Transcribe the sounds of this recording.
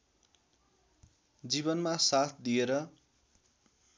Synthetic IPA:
d͡zibʌnmasat̪ʰd̪ieɾʌ

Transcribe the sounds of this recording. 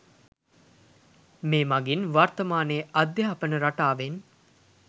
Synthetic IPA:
meːmaɡinʋart̪ɐmaːnejəʔad̪jaːɐpənəɾaʈaːʋen

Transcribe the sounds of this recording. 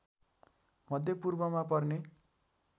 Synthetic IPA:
mʌd̪ʱjʌpurbʌmapʌrne

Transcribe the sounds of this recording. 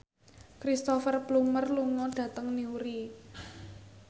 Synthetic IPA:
kɾist̪ɔfərblumərluŋɔɖ̥ä̤t̪əŋniuɾi

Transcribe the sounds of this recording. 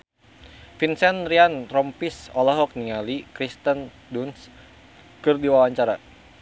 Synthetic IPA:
finsɛnɾianɾɔmpisɔlaɦɔk̚niŋalikɾist̪ən | duns | kɨrdiwawaɲt͡ʃaɾa

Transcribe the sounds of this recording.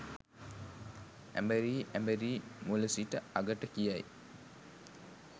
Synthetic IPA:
æ̰mbeɾiːʔæmbeɾiːmuləsiʈəaɡəʈəkijaj

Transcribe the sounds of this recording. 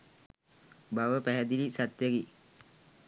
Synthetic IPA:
baʋəpæɦɛd̪ilisat̪jaɡi

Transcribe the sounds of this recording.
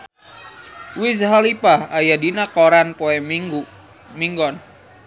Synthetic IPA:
wis̬ɦalipahajadinakoɾanpɔɛu | miŋɡɔn

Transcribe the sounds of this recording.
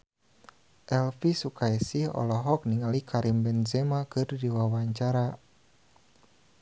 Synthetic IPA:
ʔɛlfisukaisihɔ̰lɔɦɔk̚niŋalikʰaɾimbɛnzɛmakɨrdiwawaɲt͡ʃaɾa

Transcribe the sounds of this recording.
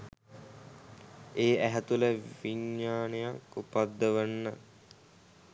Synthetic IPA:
eːæɦæt̪uləʋiɲːaːnejakupad̪ːəʋənːə

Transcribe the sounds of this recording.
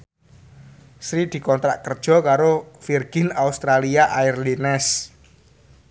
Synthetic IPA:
sɾid̪̥i̤kɔnt̪ɾaʔkərd̥ʒ̥ɔ̤kaɾofirɡ̥ɪ̤naust̪ɾaliaʔairlinɛs

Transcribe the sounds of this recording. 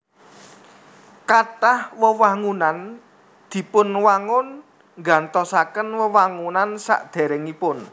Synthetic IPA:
katahwəwaŋunan | d̪̥i̤pʊnwaŋʊn | ŋɡa̤nt̪ɔsakənwəwaŋunansa̰ʔd̪̥ɛ̤ɾɛŋipʊn

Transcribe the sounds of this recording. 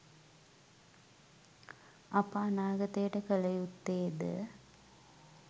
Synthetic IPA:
ɐpaːnaːɡɐt̪ejʈəkəlɐjut̪ːeːd̪ə̰

